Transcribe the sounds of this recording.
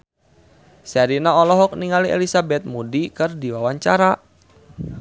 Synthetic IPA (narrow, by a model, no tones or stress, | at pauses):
saɾinaɔlɔɦɔk̚niŋaliʔḛlisabɛt̪̚mudikɨrdiwawaɲt͡ʃaɾa